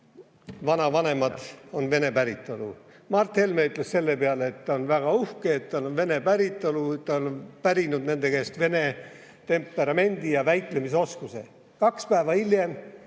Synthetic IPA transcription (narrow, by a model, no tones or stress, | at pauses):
vɑnɑvɑne̞mɑd̥o̞nve̞ne̞pæɾit̪ːˑolu | mɑrt̪helmeyt̪ˑlesse̞lːe̞peɑleet̪ːɑonvæɡ̥ɑuhkeːt̪ːɑlonve̞ne̞pæɾit̪ːˑoluet̪t̪ːɑonpæɾinud̪ne̞nd̪e̞kest̪ve̞ne̞ | t̪e̞mpːˑe̞ɾɑme̞nʲd̪̥ijɑvæjk̪ˑle̞mis̬o̞skuse̞ | kɑkspæeːvɑilje̞m